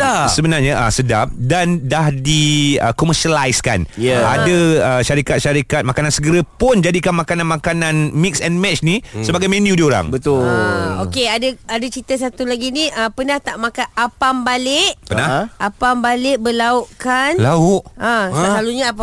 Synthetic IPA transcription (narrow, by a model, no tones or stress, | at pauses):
asəbənarɲaʔa̰sədap̚dandahdiə̰kɔməʃalajska̰njaa̰dəəʃaɾikat̪̚ʃaɾikat̪̚makanãnsəɡəɾəpʊnd͡ʒadikanmãkananmãkanãnmiksɛnmɛt͡ʃnisəbaɡajmẽnjudioɾa̰ŋbət̪ʊokeadəadat͡ʃit̪əsat̪ulaɡiniəpənaht̪aʔmakanapambalɪʔpənahʔapambalɪʔ̚bəlauʔkanlaʊʔasaaluɲap